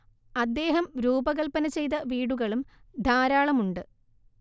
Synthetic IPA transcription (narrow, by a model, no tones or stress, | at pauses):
ɐd̪ːe̞ːɦɐmɾuːbɐɣɐlpɐnɐt͡ɕe̞jt̪̬ɐʋiːɽuɣɐɭumd̪ʱaːɾaːɭɐmuɳɖɨ